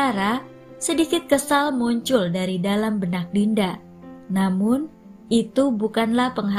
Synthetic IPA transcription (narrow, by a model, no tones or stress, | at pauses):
aɾa | sədikɪt̪̚kəsalmuɲt͡ʃʊldaɾidalambənak̚dinda | namʊn | ʔit̪ubukanlahpəŋɦa